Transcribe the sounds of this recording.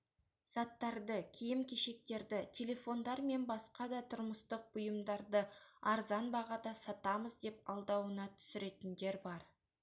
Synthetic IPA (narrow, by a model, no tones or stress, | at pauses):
sɑt̪ːɑɾd̪əkʲʰijɪmkʲʰeʃe̞k̚t̪e̞ɾd̪ɪt̪ʲʰe̞lʲe̞fo̞nd̪ɑɾme̞nbɑsqɑd̪ɑt̪ʰʊɾməst̪əq̚b̥ʊjəmd̪ɑɾd̪əɑɾzɑnbɑʁɑd̪ɑsɑt̪ɑməzd̪e̞p̚ɑlˠd̪ɑwənɑt̪ʰʏ̥sɪɾe̞t̪ɪnd̪e̞ɾbɑɾ